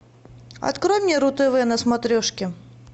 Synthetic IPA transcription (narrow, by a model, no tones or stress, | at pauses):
ɐ̰t̪kɾomʲnʲiɾʊt̪ɨvɨjənəsmat̪ɾʲɔʂkʲɪ